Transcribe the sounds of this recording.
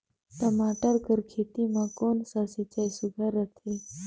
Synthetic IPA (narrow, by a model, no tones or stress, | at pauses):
t̪əmaːʈəɾkəɾkʰet̪imãkonsasit͡ɕajsuɡʱaɾət̪ʰe